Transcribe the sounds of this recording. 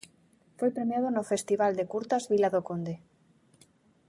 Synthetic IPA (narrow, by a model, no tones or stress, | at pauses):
fwepɾe̞mjaðonofe̞st̪iβald̪e̞kuɾt̪azβilaðokond̪e